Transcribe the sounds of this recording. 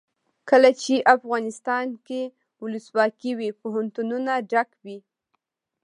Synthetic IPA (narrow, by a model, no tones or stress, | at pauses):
kəlat͡ʃeʔafɣɑnɪst̪ɑnke | wʊləswɑkiwepoɦant̪ununaɖakwi